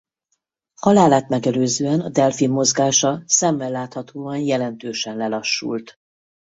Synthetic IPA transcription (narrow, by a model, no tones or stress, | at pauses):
hɒlaːlaːt̪mɛɡɛløːzøːɛnɒd̪ɛlfimːo̞zɡaːʃɒsɛmːɛlːaːt̪hɒt̪ʰoːɒnjɛlɛnt̪øːʃɛnlɛlɒʃːṵlt̪